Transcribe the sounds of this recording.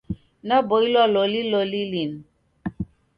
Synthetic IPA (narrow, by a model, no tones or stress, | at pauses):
naboilɔlolilolilin